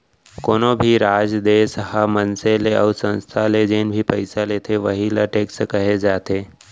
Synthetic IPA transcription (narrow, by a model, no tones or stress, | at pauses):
koːnobʱiɾaːd͡ʒd̪eːshamənseleɔːsə̃nst̪ʰaled͡ʒeːnbʱipəɪsaleːt̪ʰeʋɐɦilaʈeːkskɐɦed͡ʒaːt̪eː